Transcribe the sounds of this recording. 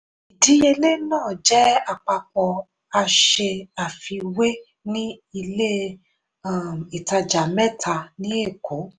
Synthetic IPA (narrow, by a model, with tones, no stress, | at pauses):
i˨di˨˦e˧le˦nãː˦˨d͡ʒɛ˦a˦˨k͡pa˧k͡pɔ˧ | a˧ʃe˧a˨fi˧we˦ | nĩ˦i˧le˦ | i˨ta˧d͡ʒa˨mɛ˦tʰa˧nĩ˦e˦˨kʰo˨˦